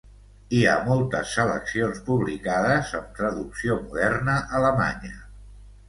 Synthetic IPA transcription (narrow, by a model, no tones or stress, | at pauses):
iamɔlˠt̪əsːələ̰ksionspuβlikaðəzəmt̪ɾəðuksiomuðɛrnəʔələma̰ɲə